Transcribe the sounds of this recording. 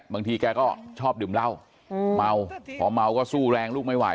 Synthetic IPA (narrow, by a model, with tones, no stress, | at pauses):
baː˧ŋt̪ʰiː˧kɛː˧kɔː˥˩t͡ɕʰɔː˥˩p̚dɯː˨˩˦mla˥˩w | ma˧wpʰɔ̰ː˩˦ma˧wkɔː˥˩suː˥˩ɾɛː˧ŋluː˥˩k̚ma˥˩jwa̰˨˩˦